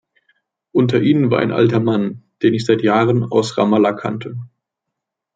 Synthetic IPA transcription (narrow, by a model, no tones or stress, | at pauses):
ʔʊntʰɐʔiːnənvaːɐʔa̰ɪnʔa̰ltɐmand̥eːnɪçz̥aɪtjaːʁəna̰ʊsʁa̰malakʰa̰ntʰə